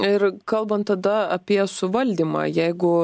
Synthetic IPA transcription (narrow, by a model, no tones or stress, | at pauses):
ɪɾkɐlˠbɐnt̪ːɐd̪ɐɐpʲiɛsʊʋɐlʲd̪ʲiːmɑ̰ːjɛɪɡʊ